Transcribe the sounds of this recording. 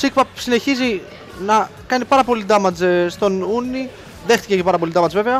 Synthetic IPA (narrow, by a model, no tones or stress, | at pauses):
sikpɐsineçizi | nɐkɐnipɐɾɐpo̞lid̪ɐmɐt͡sest̪o̞nuni | ðe̞xt̪i̥ceepɐɾɐp̬o̞lid̪ɐmɐt͡sve̞veɐ